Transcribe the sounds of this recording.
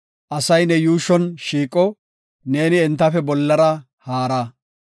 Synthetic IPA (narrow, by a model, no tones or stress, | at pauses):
ʔɐsɐjnɛjuːʃɔnʃiːkʼːɔ | ne̞ːnɪɪnt̪ːɐfɛbɔlːɐɾɐ | haːɾɐ